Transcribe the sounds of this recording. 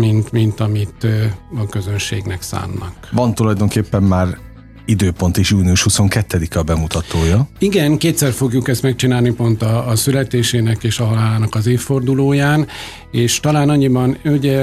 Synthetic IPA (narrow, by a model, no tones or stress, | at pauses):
mint̪mint̪ɒmit̪ɒkøzø̞nʃeːɡnɛksa̰ːnːɒ̰kvɒnt̪ulɒjd̪o̞ŋkeːpːɛmːaːr | id̪øːpo̞nt̪iʃuːniuʃhuso̞ŋkɛt̪ːɛd̪ikɛɒbɛmut̪ɒt̪oːjɒiɡɛnkeːt̪sɛrfo̞ɡjukɛst̪mɛk̚t͡ʃinaːlnipo̞nt̪ɒːsylɛt̪eːʃeːnɛkeːʃɒɦɒlaːlaːnɒkɒzeːffo̞rd̪uloːjaːn | eːʃt̪ɒlaːnɒɲːibɒnuɟɛ